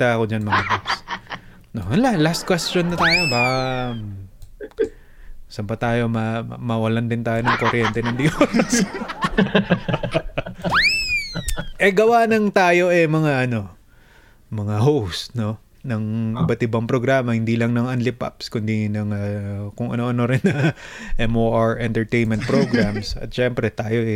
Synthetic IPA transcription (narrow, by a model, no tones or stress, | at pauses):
t̪aɐkod͡ʒanmɐŋad̪ops | nohɐnlalast̪̚kwɛstt͡ʃonːɐt̪aːjo̞bam | sɐmpɐt̪aːjo̞mɐmɐwɐland̪ɪnt̪aːjo̞nɐŋkoɾjɛnt̪ɛnɐŋd̪jos | ʔɛɡɐwanɐŋt̪aːjo̞ʔɛmɐŋaʔɐno̞ | mɐŋaɦowst̪no̞ | nɐŋʔɪbɐt̪ʔɪbɐŋpɾoɡɾaːmɐhɪnd̪ilɐŋnɐŋɐnlɪpa̰pskʊnd̪inɐŋakʊŋɐ̰noʔɐno̞ɾɪnːɐʔɛmoːʔaɹʔɛnt̪ɛɹt̪ejnmɛ̃nt̪̚pɾoɡɾamsɐ̰t̪̚ʃɛmpɾɛt̪aːjo̞ʔɛ